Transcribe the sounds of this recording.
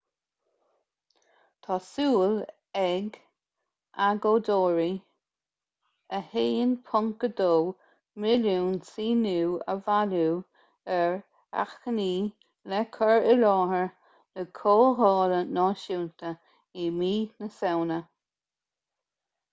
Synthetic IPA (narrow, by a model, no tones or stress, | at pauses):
t̪ʰɑːsuːl | ɛɡ | aɡoːd̪oːɹi | əheːənpʰʊŋkəd̪oː | mɪluːnsiːnuːə̰valuː | ɛɹ | a̰xkəniː | lɛkʰəɹəlɔːhəɹ | nəkʰoːɦɔːlənɔːʃuːnt̪ə | imiːnəsɛwnə